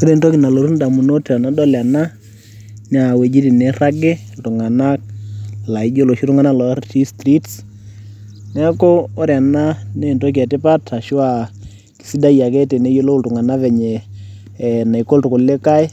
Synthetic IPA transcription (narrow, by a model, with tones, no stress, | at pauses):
si˦ɾe˦˨nto˦ki˨na˨lo˨ɾu˦nda˨mu˨no˦ta˨na˦dɔ˦la˨na˦ | nɛ˦a˨we˨d͡ʒi˦ti˨ne˨˦ra˦ɡe˦ltʊ˨ŋa˨na˦k̚la˨i˦d͡ʒo˦lo˨ʃi˦tu˦ŋa˦na˦lɔ˨˦ti˦stɾi˦ts | nɛ˦ko˦o˦ɾja˨na˦ne˦˨nto˦k̬ɛ˨tɪ˦pa˦tʰa˨ʃʊ˦a˨ | ki̥˨si˦da˦ja˨kɛ˦te˨ne˦jo˦lo˦ltu˨ŋa˨na˦βɛ˨ɲe˨ | na˨i˨ko˦ltʊ˨kʊ˨le˦ka˦ɪ˦